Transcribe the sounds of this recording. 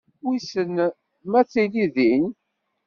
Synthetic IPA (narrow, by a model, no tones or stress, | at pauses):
wisən | mæt͡sːiliðin